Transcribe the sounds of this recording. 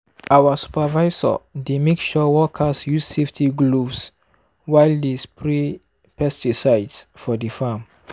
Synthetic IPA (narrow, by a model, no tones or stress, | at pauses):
awasu̥pavajzɔ̰demekʃɔwɔkʰasjusseftʰiɡluvs | wajldispɹi | pɛstisaɪdsfɔdifãm